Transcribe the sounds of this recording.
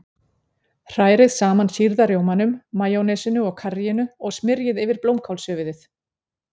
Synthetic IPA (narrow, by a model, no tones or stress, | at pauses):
r̥aːjɾɪðsaːmansiɾðaɾjoːwmanʏmːaːjɔwnɛsɪnʏɔɣkʰarijɪnʏɔɣsmɪɾjɪðɪvɪɾplowmkʰawlsœːvɪðɪθ